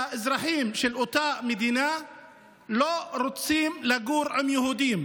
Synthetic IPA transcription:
aʔɪzɾˤaħiːmʃɪlʔʊt̪aːʔmɪd̪iːna | loɾʊt̪siːmlaɡuːɾʔamjʊhuːd̪iːm

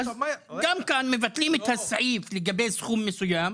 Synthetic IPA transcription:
d̪amkaːnmɪvat̪liːmɪt̪hasːaʕiːflɪɡabeːsxuːmːɪsˤʊjaːm

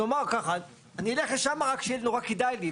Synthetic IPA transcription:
omaʁkaχa | anieleχleʃamaʁakʃeelnoʁakid̪ajli

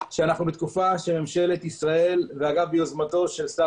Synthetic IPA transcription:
ʃeanaχnubet̪̚kufaʃe̞me̞mʃe̞le̞t̪isʁae̞lveaɡavbeozmat̪o̞ʃe̞lsa

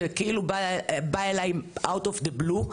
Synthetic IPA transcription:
ekilubajlajmʔawt̪ɔfd̪eblu

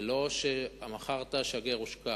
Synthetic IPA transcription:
lo̞ʃeamaχaʁt̪aʃaɡeʁuʃka

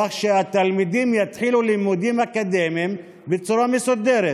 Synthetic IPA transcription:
aχʃeat̪almid̪imjat̪ħilulimud̪imakad̪emim | bet͡suɾamesud̪eɾe

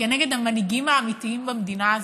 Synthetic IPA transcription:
enɛɡed̪amɐniɡimaamit̪iimbɐmd̪inaːz

